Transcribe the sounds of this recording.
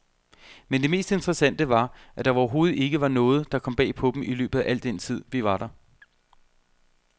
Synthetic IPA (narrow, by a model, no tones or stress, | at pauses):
mend̥e̝me̝̰ːsd̥e̝nd̥ʁɛsæn̰d̥əʋɑ̈ʔæd̥ɑ̈ɒːɐɦo̝ːð̞̩ˠe̝ɡ̥əʋɑ̈nɔ̽ːð̞̩ˠd̥ɑ̈kʰɒ̽mb̥ɛ̰ːpʰɒ̽b̥m̩ilø̰ːb̥ð̩ˠæʔæl̰d̥ent͡sʰið̞̰ˠʋiʋɑ̈ɾ̥ɑ̈